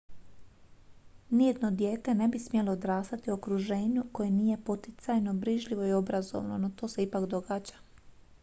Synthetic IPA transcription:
nijed̪no̞d̪je̞ːt̪e̞ne̞bismjelood̪ɾaːst̪at̪io̞kɾuʒe̞ːɲuko̞jeniːje̞pot̪it̪sajno̞bɾiʒʎiʋo̞io̞bɾazo̞̰ʋnonot̪o̞ːse̞ipakd̪o̞ɡaːd͡ʑa

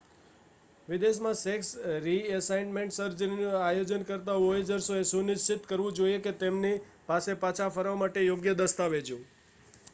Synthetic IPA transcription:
ʋɪd̪eʃmãseksɾiəsajnmẽɳʈsəɾd͡ʒəninuajod͡ʒənkəɾt̪aʋoed͡ʒəɾsoesunɪst͡ʃɪt̪kəɾʋũd͡ʒoieket̪emni | pasepat͡ʃʰafəɾʋamaʈejoɡjəd̪əst̪aʋed͡ʒũ

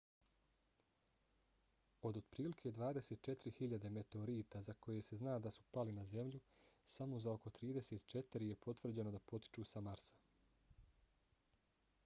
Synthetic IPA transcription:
o̞d̪od̪̥pɾiːlikʰe̞ːd̪ʋaːd̪e̞set̪̚t͡ʃe̞t̪iɾihiʎad̪e̞me̞t̪eoɾiːt̪azako̞je̞se̞znaːd̪asu̥palinaze̞mʎusamo̞zaoko̞t̪ɾiːd̪e̞seːt̪t͡ʃe̞t̪iɾije̞po̞t̪ʋr̩d͡ʑe̞nod̪apo̞t̪i̥t͡ʃuːsamaɾsḁ

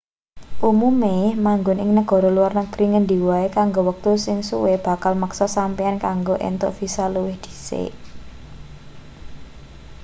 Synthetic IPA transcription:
ʔumumemaŋɡʊnɪŋnəɡ̥ɔ̤ɾoluwarnəɡ̥ɾiŋəndi̤waekaŋɡowək̚t̪usɪŋsuweb̥a̤kalməksɔsampiankaŋɡoʔḛnt̪ʊ̰ʔfisaluwɪhd̪̥i̥̤sḛ

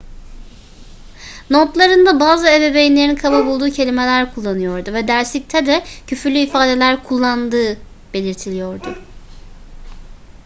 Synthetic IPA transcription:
not̪lˠaɾɯnd̪abaːzɯebebejinlʲe̞ɾinkʰababulˠd̪uːcʰe̞lʲime̞lʲæɾkʰulˠːanɯjo̞ɾd̪uvɛd̪æɾslʲic̚t̪ʰɛd̪ɛcʰyfylʲyifaːd̪e̞lʲæɾkʰulˠːand̪ɯː | b̥e̞lʲiɾt̪ʰilʲijo̞ɾd̪ʊ

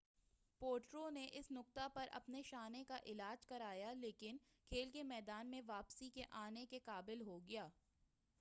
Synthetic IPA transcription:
poːɾʈɾoneʔɪsnʊk̚t̪apɐɾʔɐ̰pneʃaːnekaʔɪlaːd͡ʒkɐɾaːjaleːkɪnkʰeːlkemɛːd̪aːnmẽʋaːpsikeʔaːnekekaːbɪlɦoɡɐjaː

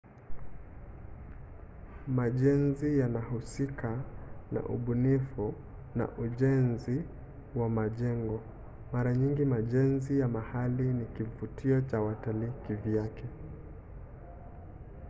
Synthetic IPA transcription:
maʄɛnzijanahusikana̰ʔṵɓunifu | na̰ʔuʄɛnzi | wamaʄɛŋɡɔ | maɾaɲiŋɡimaʄɛnzijamahalinikivutʰiɔt͡ʃawatalikiviakɛ

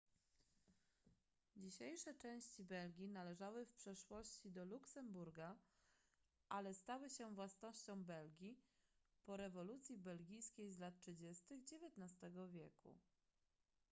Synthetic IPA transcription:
d͡ʑiɕejʂɛt͡ʂɛ̃w̃ɕt͡ɕibɛlɡʲinalɛʐawɘfpʂɛʂwɔɕt͡ɕid̪ɔluksɛmbuɾɡa | ʔalɛst̪awɘɕɛvwasnɔɕt͡ɕɔ̃w̃bɛlɡʲipɔɾɛvɔlut̪sʲjibɛlɡʲijskʲejzlat̪̚tʂɘd͡ʑest̪ɘɣd͡ʑevʲjɛt̪nast̪ɛɡɔvʲjekṵ

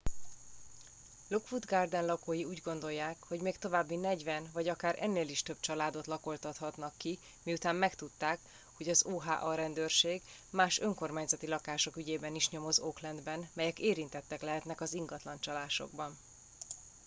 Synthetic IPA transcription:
lukfud̪ɡard̪ɛnlɒkoːjiuːɟɡo̞nd̪o̞jːaːkho̞ɟmeːkt̪o̞vaːbːinɛɟvɛnvɒɟɒkaːɾʔɛ̰nːeːliʃt̪ø̞b̚t͡ʃɒlaːd̪o̞t̪lɒko̞lt̪ɒt̪hɒt̪nɒkːi | miut̪aːmːmɛkt̪ut̪ːaːk | ho̞ɟɒzoːɦaːʔɒɾɛnd̪ørʃeːɡ | maːʃø̞ŋko̞rmaːɲzɒt̪ilɒkaːʃo̞kyɟeːbɛniʃɲo̞mo̞zoklɛnd̪bɛnmɛjɛkeːɾint̪ɛt̪ːɛklɛɦɛt̪nɛkɒziŋɡɒt̪lɒnt͡ʃɒlaːʃo̞̰ɡ̚bɒn

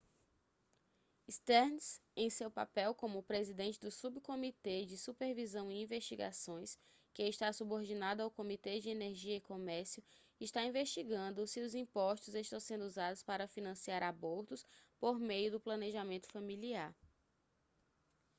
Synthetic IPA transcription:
ist̪ɛɾnsẽj̃sewpa̰pɛwkõmʊpɾezid̪ẽnt͡ʃɪd̪ʊsubkomit̪ed͡ʒɪsupeɾvizɐ̃w̃ĩĩveʃt͡ʃiɡa̰sõj̃s | kɪːʃt̪asuboɾd͡ʒinad̪ʊawkomit̪ed͡ʒɪeneɾʒiɐɪkomɛɾsjʊ | ɪʃt̪aĩveʃt͡ʃiɡɐ̃nd̪ʊsiʊzĩpɔʃt̪ʊzeʃt̪ɐ̃w̃sẽnd̪uzad̪ʊspaɾɐfinɐ̃siaɾaboɾt̪ʊspoɾmejʊd̪ʊplɐ̃neʒamẽnt̪ʊ̥fɐmiliaɾ

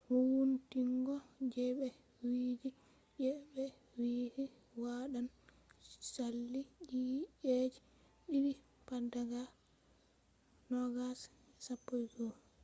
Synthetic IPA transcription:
huwuntiŋɡɔd͡ʒɛɓɛ | wiːd͡ʒi | d͡ʒɛɓɛ | wiːhi | waɗan | salːid͡ʒiʔed͡ʒi | ɗiɾi | padaɡa | nɔɡas | ɛsapːojɡɔ

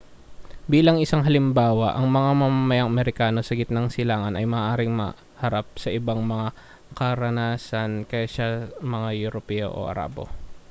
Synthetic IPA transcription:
biːlɐŋʔɪsaŋɦɐlɪmbaːwɐʔɐŋmɐŋamɐmamɐjaŋʔɐmɛɾɪkaːno̞sɐɡɪt̪nɐŋsɪlaːŋɐnɐjmɐaːʔaːɾɪŋmɐ̰ | hɐɾap̚sɐʔɪbaŋmɐŋa | kɐɾɐnaːsɐnkɐjaʃamɐŋajʊɾopɛo̞̰ʔo̰ʔɐ̰ɾa̰ːbo̰

